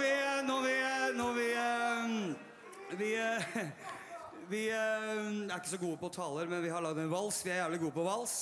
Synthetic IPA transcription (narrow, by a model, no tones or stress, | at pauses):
ʋɪnɔʋɪnɔʋɪ | ʋɪ | ʋɪ | æɾɪkːəsɔɡuːəpɔt̪ʰɑːləɾmɛnʋɪɦɑɭɑɡd̪ɛnʋɑlsʋɪæɾjæːʋlɪɡuːəpɔʋɑls